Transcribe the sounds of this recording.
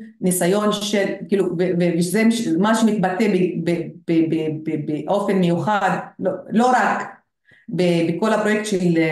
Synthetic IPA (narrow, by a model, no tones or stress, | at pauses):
nisajo̞nʃelkiːluveveveʃzemʃmaʃemit̪bat̪ebebeb̥ebebebeʔo̞fe̞nmejuχad̪lolo̞ɾak | bebeko̞lapɾo̞jek̚t̪ʃel